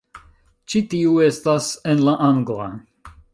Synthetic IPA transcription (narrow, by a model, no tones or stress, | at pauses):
t͡ʃitiue̞stasenlaʔaŋɡla̰